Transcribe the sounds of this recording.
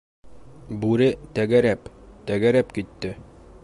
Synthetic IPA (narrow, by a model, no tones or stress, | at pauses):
bʉɾɘt̪æɡæɾæpt̪æɡæɾæpkit̪ːɘ